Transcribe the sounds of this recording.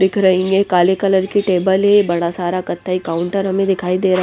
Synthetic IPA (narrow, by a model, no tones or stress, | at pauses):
d̪ɪkʰɾəɦĩŋɡekaːlekələɾkiʈeːbəlɦebɐɽasaːɾakɐt̪ʰːaikaːʊɳʈəɾɦɐmẽd̪ɪkʰaːid̪eːɾa